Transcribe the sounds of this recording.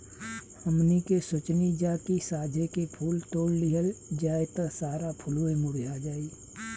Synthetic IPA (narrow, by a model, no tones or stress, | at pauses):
həmnikesʊt͡ʃnid͡ʒakisaːd͡ʒʱekepʰuːlt̪oːɽliɦəld͡ʒaːjt̪əsaːɾapʰʊloemʊɽd͡ʒad͡ʒaːi